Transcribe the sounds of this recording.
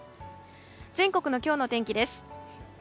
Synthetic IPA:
d͡zẽ̞ŋko̞kɯ̟no̞kʲo̞ːno̞t̪ẽ̞ŋkʲid̪e̞sɨ̥

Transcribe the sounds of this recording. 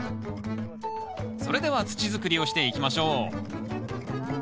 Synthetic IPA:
so̞ɾe̞d̪e̞βat͡sɨ̥t͡ɕizɨkɯ̟ɾʲio̞ɕi̥t̪e̞ikʲimaɕo̞ː

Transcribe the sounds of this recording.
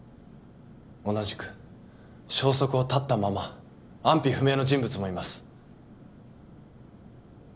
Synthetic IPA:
o̞naʑi̥kɯ̟̥ | ɕo̞ːso̞kɯ̟o̞t̪at̪ːamama | ãmpʲiɸɯ̟me̞ːno̞ʑĩmbɯt͡sɨmo̞imasɨ̥

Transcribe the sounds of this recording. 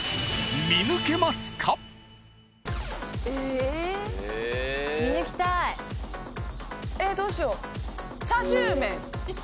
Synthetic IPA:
mʲinɯke̞masɨ̥kʰa | e | minɯkʲi̥t̪ai | e̞d̪oːɕio | t͡ɕaʑɨːmẽ̞ŋ

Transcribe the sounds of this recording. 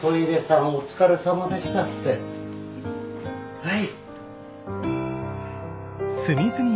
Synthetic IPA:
koiɾesãot͡sɨ̥kaɾesamad̪aɕi̥t̪akt̪e | hai | sɨmʲizɨmʲi

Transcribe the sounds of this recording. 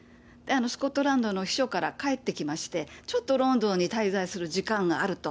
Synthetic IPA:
d̪̥eano̞sɨ̥ko̞t̪ːoɾãnd̪o̞no̞çʲi̥ɕo̞kaɾakae̞t̪ːe̞kʲimaɕi̥t̪e̞t͡ɕo̞t̪ːo̞ɾõ̞nd̪õ̞ɲ̟ːit̪aizaisɨɾɯ̟ʑikãŋɡaːɾɯ̟t̪o̞

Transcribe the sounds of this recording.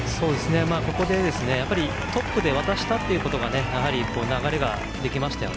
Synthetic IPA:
so̞ːd̪e̞sɨne̞maːko̞ko̞d̪e̞d̪e̞sɨne̞japːaɾʲi | t̪o̞pːɯ̟d̪e̞β̞at̪aɕi̥t̪at̪ːe̞iɯ̟ko̞t̪o̞ɡanejaɦaɾʲikoːnaɡaɾe̞ɡa̰ | d̪e̞kʲimaɕi̥t̪ajo̰

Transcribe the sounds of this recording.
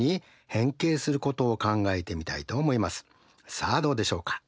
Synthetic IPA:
i | hẽ̞ŋke̞ːsɨɾɯ̟ko̞t̪o̞ːkãŋɡae̞t̪e̞mʲit̪ait̪o̞ːmo̞imasɨ̥ | saːd̪o̞ːd̪e̞ɕo̞ːkḁ

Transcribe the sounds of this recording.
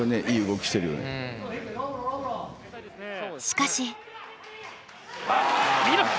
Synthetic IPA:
oneʔiːɯɡo̞kɯ̟̥ɕi̥t̪e̞ɾɯjo̰nḛ | ɕi̥kaɕi

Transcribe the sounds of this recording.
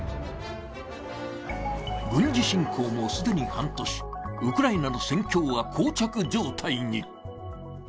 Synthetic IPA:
ɡɯ̟̃ɲ̟d͡ʑiɕĩŋkʰo̞ːmo̞sɨd̪e̞ɲ̟ihãnt̪o̞ɕi̥ɯkɯ̟ɾainano̞sẽ̞ŋkʲo̞ːβakʰoːt͡ɕakɯ̟d͡ʑo̞ːt̪ʰaiɲ̟i

